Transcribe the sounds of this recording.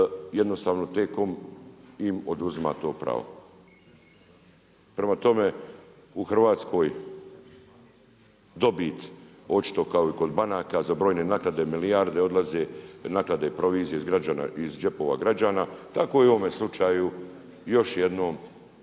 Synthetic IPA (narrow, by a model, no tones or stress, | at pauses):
jed̪no̞st̪aːʋno̞t̪e̞ːko̞m | imod̪uzima̰t̪o̞ːpɾa̰ːʋo̰ | pɾe̞mat̪o̞me̞ | uxr̩ʋaːt̪skʰo̞ːj | d̪o̞bit̪ | o̞t͡ʃi̥t̪o̞kaoiko̞d̪banaːkazabɾojne̞naklad̪e̞milijaɾd̪e̞o̞d̪lˠazenaːklad̪e̞pɾo̞ʋiːzijeizɡɾad͡ʒaːna̰izd͡ʒe̞po̞ʋa̰ɡɾad͡ʒaːnat̪ako̞jeuʋome̞slˠut͡ʃaːju | jo̞ʃjed̪no̞ːm